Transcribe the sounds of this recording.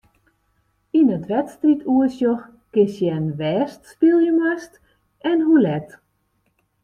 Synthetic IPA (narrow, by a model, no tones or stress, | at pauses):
inətʋɛtstritʰuəsjɔx | kɪsjɛnʋɛːstspilˠjəmɛst | ɛnhulɛt